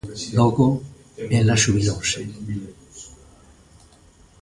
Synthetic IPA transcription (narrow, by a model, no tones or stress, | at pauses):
loko | elaʃuβilose